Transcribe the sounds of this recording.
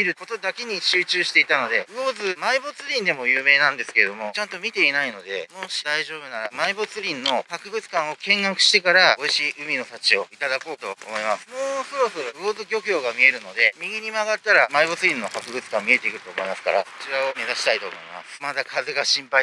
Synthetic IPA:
iɾɯ̟kot̪o̞d̪ake̞ɲ̟iɕɨːt͡ɕɨːɕi̥t̪e̞it̪ano̞d̪e̞ɯ̟o̞zɨmaibo̞t͡sɨɾʲĩnd̪e̞mo̞jɯːme̞ːnãnd̪e̞sɨ̥ke̞ɾe̞d̪o̞mo̞t͡ɕãnt̪o̞mʲit̪e̞inaino̞d̪e̞mo̞ːɕi̥d̪aiʑo̞ːbɯ̟namaibo̞t͡sɨɾʲĩnːo̞hakɯ̟bɯ̟t͡sɨ̥kãɰ̃o̞kẽ̞ŋːakɯ̟̥ɕi̥t̪e̞kaɾao̞iɕiʔɯ̟mʲino̞t̪at͡ɕio̞it̪ad̪ako̞ːt̪o̞̰o̰mo̞imasɨ̥moːso̞ɾo̞so̞ɾo̞ɯ̟o̞ːzɨɡʲo̞kɯ̟jo̞ːɡamʲie̞ɾɯ̟no̞d̪e̞mʲiɡʲiɲ̟imaɡat̪ːaɾamaibo̞t͡sɨɾʲĩnːo̞hakɯ̟ɡɯ̟t͡sɨ̥kãmmʲie̞t̪e̞ikɯɾɯ̟̥t̪o̞ːmo̞imasɨ̥ka̰ɾa̰so̥t͡ɕiɾao̞me̞zaɕi̥t̪ait̪o̞̰ːmo̞̰ḭma̰smad̪akʰaze̞ɡaɕĩmpai

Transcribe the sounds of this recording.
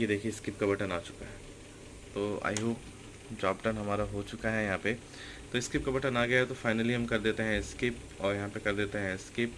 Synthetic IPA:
jed̪eːkʰieɪskɪp̚kabɐʈənaːt͡ʃʊ̥kaɦɛː | t̪oːa̰ːjɦo | d͡ʒaːbʈɐnɦɐmaːɾaɦot͡ʃʊkaɦɛjɐɦãːpe | t̪oːɪskɪp̚kabɐʈənaːɡɐjaɦɛt̪ofaːɪnəliɦɐmkɐɾd̪eːt̪eɦɛ̃ɪskɪp | ɔːɾjɐɦãpekɐɾd̪eːt̪eɦɛ̃ɪskɪp

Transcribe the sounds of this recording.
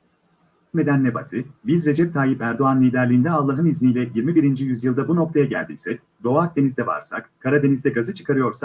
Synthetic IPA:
kme̞d̪ænːeba̰t̪ʰibizɾe̞d͡ʒɛp̚t̪ʰaːjipæɾd̪o̞anlʲiːd̪æɾlʲiːnd̪ɛalˠːaɦɯniznijlʲɛjiɾmibiɾind͡ʒijyzjɯlˠd̪abuno̞k̚t̪ʰajaɟæ̰lʲd̪ḭsɛc̚ | d̪o̞ak̚d̪e̞nizd̪ɛva̰ɾsa̰kkʰaɾad̪e̞nizd̪ɛɡazɯt͡ʃʰɯ̥kʰaɾɯjo̞ɾsak

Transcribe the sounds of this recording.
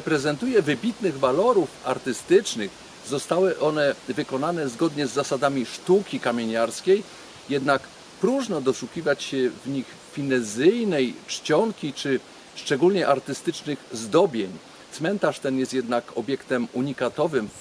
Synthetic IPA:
pɾɛzɛnt̪ujɛvɘbʲit̪nɘɣvalɔɾufa̰ɾt̪ɘst̪ɘt͡ʂnɘx | zɔst̪awɘʔɔnɛvɘkɔnanɛzɡɔd̪ɲɛzːasad̪amʲiʂt̪ukʲikamʲjeɲaɾskʲej | jɛd̪nak | pɾuʐnɔd̪ɔʂuxʲivat͡ɕɕɛvɲix | fʲinɛzɘjnɛjʂt͡ɕɔŋkʲit͡ʂɘ | ʂt͡ʂɛɡulɲɛʔaɾt̪ɘst̪ɘt͡ʂnɘɣzd̪ɔbʲjeɲ | t̪smɛnt̪aʂt̪ɛnjɛst̪jɛd̪nakɔbʲjɛkt̪ɛmuɲikat̪ɔvɘm

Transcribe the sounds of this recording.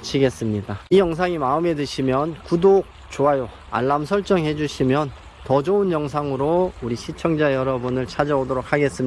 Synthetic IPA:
t͡ɕʰiɡe̞s͈ɯmɲidaijʌŋs̬ʰaŋimaɯme̞dɯɕʰimjʌnkudok̚ | t͡ɕoɦajo | a̰ɭːamsʰʌɭt͡ɕ͈ʌŋɦe̞d͡ʑuɕʰimjʌn | tʌd͡ʑounjʌŋs̬ʰaŋɯɾouɾiɕʰit͡ɕʰʌŋd͡ʑaejʌɾʌbunɯɭt͡ɕʰad͡ʑʌodoɾok̚ʰaɡe̞s͈ɯm

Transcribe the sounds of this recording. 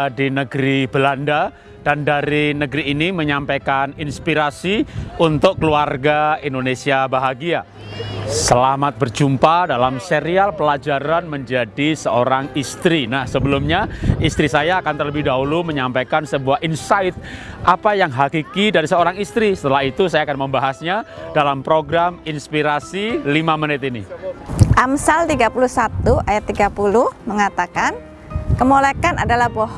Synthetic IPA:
dinəɡɾibəlanda | d̥andaɾinəɡɾiːniməɲampajkaninspiɾasiunt̪ʊkkəluarɡaindonesiabaɦaɡia | səlamat̪̚bərd͡ʒumpadalamseɾialpəlad͡ʒaɾanməɲd͡ʒadisəoɾaŋist̪ɾinahsəbəlʊmɲaist̪ɾisajaːkant̪ərləbɪhdaɦuluməɲampajkansəbuahinsaɪt̪̚ʔapajaŋɦakikidaɾisəoɾaŋist̪ɾisə̥t̪əlaɦit̪usajaːkanməmbaɦasɲadalampɾoɡɾaminspiɾasilimamənɪt̪iniʔamsalt̪iɡapuluhsat̪uʔajat̪ːiɡapuluhməŋat̪akan | kəmolekanadalahbo

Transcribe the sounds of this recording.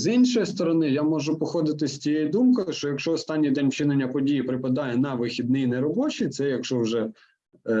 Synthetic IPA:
zinʲʃɔjist̪ɔɾɔnɪjamɔʒʊpɔxɔd̪ɪt̪ɪsʲtʲijejid̪umkɔjɪʃt͡ʃɔjɐkʃt͡ʃɔːst̪ɑnʲːijd̪ɛnʲwt͡ʃɪnenʲːɐpɔdʲijipɾɪpɐd̪ɑjɛnɐʋɪxʲid̪̚nɪjinɛɾɔbɔt͡ʃit̪sɛjɐkʃɔwʒɛ

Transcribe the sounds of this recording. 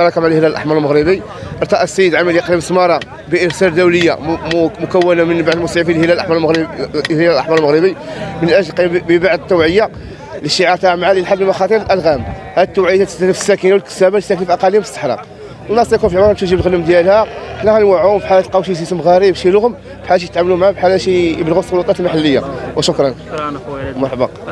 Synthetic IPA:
ɑɾˤɑkæmʕalhəlæləlʔa̰ħmɑɾˤlməɣɾəbi | ʔəɾˤt̪ˤɑʔæsːəjəd̪ʕamːəljqɾiməsmɑɾˤɑ | biʔəɾsæld̪æwləjːa̰mʊkæwːənamənbaʕd̪əlmʊsʕifilhəlælʔaħmɑɾˤmɣhlællʔaħmɑɾˤlməɣɾəbimənʔæʒlqːbəbaʕd̪ət̪ːæwʕəjːa | liʃiʕɑɾt̪aʕmʕaləlħab̪ːəmɑxɑt̪ˤiɾəlʔælɣæm | hæd̪ət̪ːuwʕəjːat̪æt̪əst̪ænəfə̥sːækənawəlkə̥sæbælst̪æknfiʔɑqɑlimfəst̪ːə̥ħɾɑ̰q | nːɑsˤt̪æjkunfiʕmɾbʃəʒibəlɣələmd̪jælhæħlːæɣænwæʕuhʊmfiħalæt̪lqɑwʃizisəmɣæɾibʃiluhʊm | fħalæʃ̬ijət̪ʕamlumʕabħalæʃijəblɣusˤːolut̪ˤɑt̪əlmaħalːəjːa̰wəʃʊkɾˤɑn | mɑɾˤħbɑq

